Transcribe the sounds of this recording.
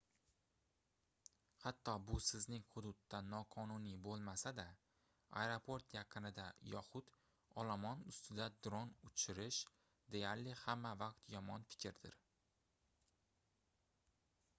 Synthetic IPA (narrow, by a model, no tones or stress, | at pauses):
hat̪ʰːɒbʊsɪznɪŋhʊd̪ʊt̪ːanɒqʰɒnʊnibolˠmasad̪a | a̰jɾopʰo̞ɾt̪jɑqʰɨnɪd̪ajɒχʊt̪ | ɒlˠamɒnʊst̪ɪd̪ad̪ɾonʊt͡ʃʰɪɾɪʃ | d̪e̞jaɾlɪhamːavaqt̪jɒmɒnfɪ̥kʲʰɾd̪ɪ̰ɾ